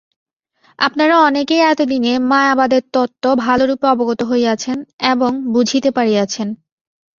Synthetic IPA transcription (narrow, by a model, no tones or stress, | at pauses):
a̰pnaɾaɔnekeɛt̪od̪inemaeabad̪eɾt̪ɔt̪ːobʱaloɾupeɔboɡot̪oɦoeat͡ɕʰeneboŋbud͡ʑʱit̪epaɾiat͡ɕʰen